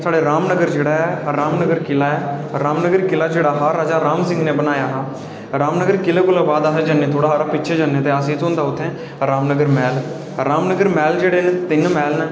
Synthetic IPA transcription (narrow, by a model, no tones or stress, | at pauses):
saːɖeːɾaːmnəɡəɾd͡ʒeːɽaːɛɾaːmnəɡəɾkɪlaːɛːɾaːmnəɡəɾkɪlaːd͡ʒeːɽaːɦaːɾaːd͡ʒaːɾaːmsɪ̃ŋɡnẽːbənaːjaːɦãː | ɾaːmnəɡəɾkɪleːkʊlaːbaːd̪aːsed͡ʒaːnːeːt̪ʰoːɽaːɦːɾapɪːt͡ʃʰeːd͡ʒaːnːeːt̪eːəsĩːt̪õːnd̪aːʊt̪ʰːẽː | ɾaːmnəɡəɾmɛːl | ɾaːmnəɡəɾmɛːld͡ʒeːɽeːnːt̪ɪnmɛːlneː